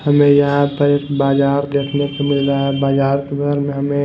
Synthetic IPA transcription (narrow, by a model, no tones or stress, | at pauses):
həmẽjɐɦãpəekbaːd͡ʒaːɾd̪eːkʰnekemɪlɾaɦɛbaːd͡ʒaːɾkebəɡəɾmẽɦəmẽ